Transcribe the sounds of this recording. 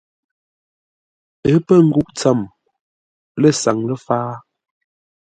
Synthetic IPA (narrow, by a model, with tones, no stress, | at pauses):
ə˨˦pə˦ŋ̩˦ɡu˦ʔt͡sa˦˨m | lə˦˨sa˨ŋlə˦faː˦